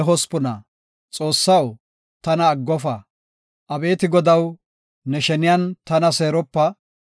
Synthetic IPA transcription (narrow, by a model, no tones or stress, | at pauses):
ɦɔspʊnɐ | t͡sʼo̞ːsːɐw | t̪ɐnɐːɡːɔfɐ | ʔɐbe̞ːt̪ɪɡɔd̪ɐw | nɛʃɛnɪjɐnt̪ɐnɐse̞ːɾɔpːɐ